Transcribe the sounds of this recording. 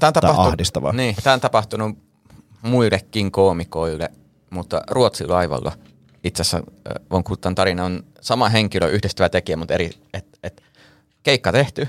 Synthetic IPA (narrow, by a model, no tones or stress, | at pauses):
t̪æːont̪ɑɑɑuhdist̪ɑʋɑ̰niːt̪æːont̪ɑpɑht̪unu | muilːekːiŋkoːmikoilːḛ | mut̪ːɑ̰ruot̪silɑiʋɑ̰lːɑ̰ | it̪sesːæ̰ʋɑŋkut̪ːɑnt̪ɑrinɑon | sɑmɑɦeŋkiløʔyhdest̪æʋæt̪ekiæmut̪eɾi | et̪et̪ | keikːɑt̪eht̪y